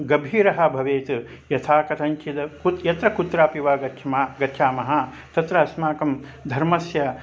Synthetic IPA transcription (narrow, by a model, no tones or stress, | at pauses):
ɡɐbʱiːɾɐɦɐ̆bʱɐʋeːt̪ | jɐt̪ʰaːkɐt̪ʰɐŋt͡ʃʰit̪ɐkut̪jɐt̪ɾɐkut̪ɾaːpiʋaːɡɐt̪ʃʰɐmaːɡɐt̪ʰʃʰaːmɐɦɐ | t̪ɐt̪ɾɐɦɐsmaːkɐmd̪ʱɐɾmɐsjɐ